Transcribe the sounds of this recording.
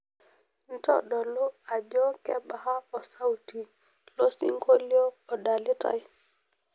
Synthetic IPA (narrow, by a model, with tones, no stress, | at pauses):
n̩˦tɔ̰˦ɗɔ˨lɔ˦a˨d͡ʒɔ˦kɛ˦ɓa˨ha˦ɔ˨sa˦wti˨ | lo˦sḭ˦ŋko˦li˦ɔː˦˨da˨li˦ta̰˨j